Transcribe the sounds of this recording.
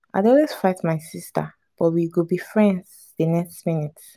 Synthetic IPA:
a̰ɪdɔlwez̥faɪtmaɪsistə̰ | b̥ɔtwiɡobifɹɛ̃ndz | denɛkstminit

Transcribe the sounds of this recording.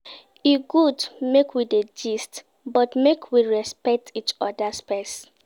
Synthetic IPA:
iɡudmekwided͡ʒist | bɔtmekʰwiɹɛspɛk̚tʰit͡ʃɔdaspɛs

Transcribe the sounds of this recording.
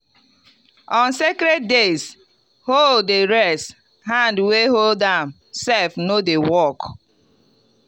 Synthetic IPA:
ɔ̃nsekɾɛd̚des | holeɾɛst | hãndweɦoldam | sɛfnodewɔk

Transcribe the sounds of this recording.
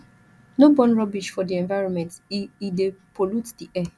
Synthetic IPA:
nobɔ̃nɹɔbiʃfɔdiɛ̃nvaɪɹɔ̃nmɛ̃ntidepʰolutdiʔɛ

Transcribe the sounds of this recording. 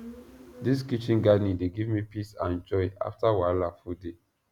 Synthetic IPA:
dis̬kit͡ʃĩnɡanideɡivmipisãnd͡ʒɔɪa̰ftawalafude

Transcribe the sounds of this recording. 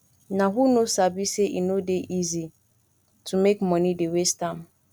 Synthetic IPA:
nãɦunõsabisɛʔḭnõdeʔizi | tʰumekmɔ̃nĩdewestãm

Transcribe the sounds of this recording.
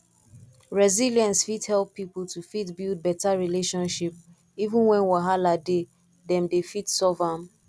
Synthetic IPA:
ɹɛziliɛ̃ntsfithɛlˠpːipl̩ˠtufitbilˠd̚bɛtaɹileʃɔ̃nʃip̚ | ivũnwɛ̃nwaɦalade | dɛ̃mdefitsɔvam

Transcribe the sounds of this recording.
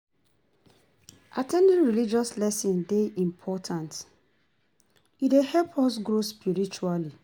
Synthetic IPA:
atʰɛ̃ndĩnɹilid͡ʒɔslɛsĩndeʔĩmpʰɔtʰãnt | idehɛlpʰɔs̬ɡɹospiɹit͡ʃuali

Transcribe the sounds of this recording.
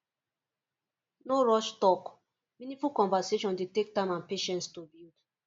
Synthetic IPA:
noɹɔʃtɔk | mĩnĩfulkɔ̃nvaseʃɔ̃ndetek̚tãɪ̃mãnpeʃɛ̃ntstobild

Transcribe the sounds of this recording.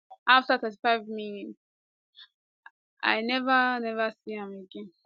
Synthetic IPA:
ʔaftaθɜti̥faɪvminit | ʔa̰ɪnɛvənɛvəsihãməɡɛ̃n

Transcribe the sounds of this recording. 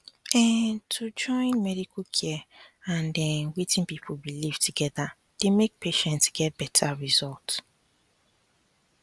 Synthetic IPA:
ɛtʰud͡ʒɔ̃ɪ̃nmɛdikokʰɛãndɛnwetɪ̃npip̩ʰbilivtʰuɡɛða | d̥emek̚peʃɛ̃ntsɡ̥ɛt̚b̥ɛtʰaɹizɔlt

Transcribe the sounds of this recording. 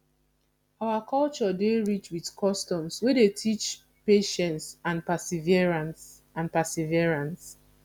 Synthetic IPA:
awakʰɔlt͡ʃɔdeɹit͡ʃwidkʰɔstɔ̃mswedetʰit͡ʃ | peʃɛ̃ntsãnpasiviɛɹãns | ãnpasiviɹãns

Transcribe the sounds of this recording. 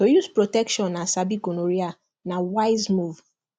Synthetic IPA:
ojuspɹotɛkʃɔ̃nːasabiɡonoɾia | nawaɪzmuv

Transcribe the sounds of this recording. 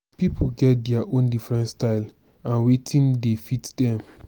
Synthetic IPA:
pipʰoɡɛt̚dɛaʔõndifɹɛ̃ntstaɪl | ãnwetʰĩndefitdɛ̃m

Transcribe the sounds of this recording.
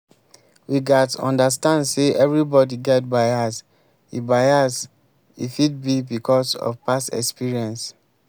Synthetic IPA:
wiɡatɔ̰̃ndas̬tãndseʔɛvɹibɔdiɡɛt̚baɪas | ḭbaɪas | ḭfid̚bibikʰɔsɔ̰vpasɛ̰kspiɹiɛ̃ns

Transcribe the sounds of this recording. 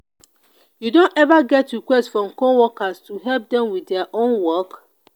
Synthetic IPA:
judõnɛvaɡɛtːikwɛstfɹɔ̃mkowɔkastuɦɛlp̚dɛ̃mwiθdɛaʔõnwɔk

